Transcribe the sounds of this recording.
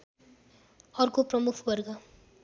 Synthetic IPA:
ʌrkoprʌmukʰbʌrɡʌ

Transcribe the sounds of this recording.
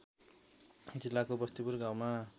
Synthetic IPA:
d͡zilːakobʌst̪ipurɡawma

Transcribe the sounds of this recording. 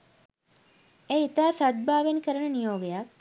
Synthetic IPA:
eit̪aːsad̪̚baːʋenkəɾənənijoːɡejak̚

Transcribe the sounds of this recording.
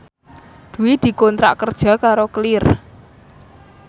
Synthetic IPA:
d̪̥ṳwid̪̥i̤kɔnt̪ɾa̰ʔkərd̥ʒ̥a̤kaɾoklɪr

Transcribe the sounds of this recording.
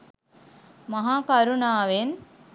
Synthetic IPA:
maɦaːkaɾunaːʋen

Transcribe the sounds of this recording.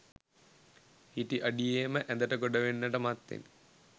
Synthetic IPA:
hiʈiʔəɖijeməʔæd̪əʈəɡoɖəʋenːəʈəmat̪ːḛn

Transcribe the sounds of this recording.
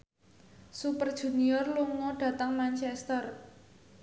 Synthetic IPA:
supərd̥ʒ̥ṳniɔrluŋɔɖ̥ä̤t̪əŋmant͡ʃɛst̪ər

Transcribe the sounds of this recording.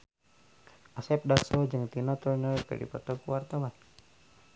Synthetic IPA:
ʔasɛp̚dasɔd͡ʒɨŋt̪inat̪ɔnɔkə̰dḭpɔ̰t̪ɔkuwart̪awan

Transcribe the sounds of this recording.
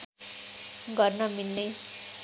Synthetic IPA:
ɡʌrnʌmilne

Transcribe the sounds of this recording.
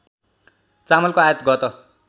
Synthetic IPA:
t͡samʌlkoajʌt̪ɡʌt̪ʌ

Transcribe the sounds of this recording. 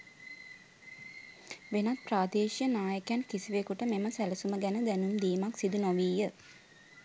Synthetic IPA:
ʋenat̪̚praːd̪eːʃijənaːjəkjænkisiʋekuʈəmeməsæləsuməɡænəd̪ænumd̪iːmaksid̪unoʋiːjə

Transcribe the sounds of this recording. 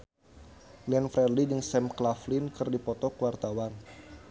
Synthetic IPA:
liɛnfɾɛrlidɨŋsɛmklaflinkɨrdipɔt̪ɔkəwart̪awan

